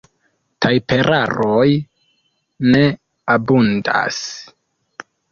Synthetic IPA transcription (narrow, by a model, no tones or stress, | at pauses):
tʰajpe̞ɾʔaɾoj | ne̞ | abunda̰s